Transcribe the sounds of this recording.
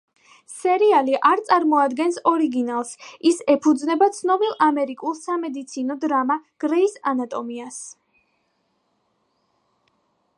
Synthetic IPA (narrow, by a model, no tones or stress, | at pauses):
sɛɾialiʔaɾt̪sʼaɾmɔad̪ɡɛnsɔɾiɡinalˠsisɛpʰud̪znɛbat̪sʰnɔbilˠamɛɾikʼulˠsamɛd̪it̪sʰinɔd̪ɾamaɡ̥ɾɛisanat̪ʼɔmias